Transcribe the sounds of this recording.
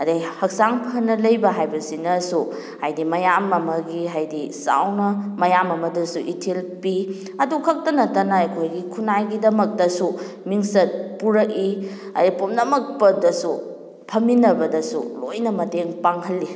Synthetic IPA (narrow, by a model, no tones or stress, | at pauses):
ɐdejhɐk̚saŋpʰɐnːɐlɐjbɐɦajbɐsinɐsu | hajdimɐjamɐmɐɡiɦajdisa̰wnɐmɐjamɐmɐdɐsuʔitʰelpi | ɐdukʰɐk̚tɐnɐtanɐɐjkʰojɡikʰunajɡidɐmɐk̚dɐsu | miŋsɐt̚puɾɐk̚i | ɐ̰depomnɐmɐk̚pɐdɐsu | pʰɐminɐbɐdɐsṵlojnɐmɐteŋpaŋɦɐlːi